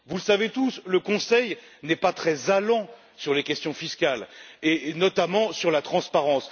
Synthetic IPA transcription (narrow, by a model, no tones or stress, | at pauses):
vuləsavet̪usləkɔ̃sɛj | nɛpat̪χɛzalɑ̃ | syʁlekʲɛst̪jɔ̃fiskʲalenɔt̪amɑ̃syʁlat̪χɑ̃spaʁɑ̃s